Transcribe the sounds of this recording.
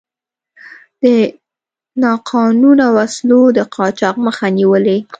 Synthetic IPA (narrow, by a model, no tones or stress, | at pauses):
d̪̥ə | nɑqʰɑnunawaslod̪əqʰɑt͡ʃɑqməxaniwəle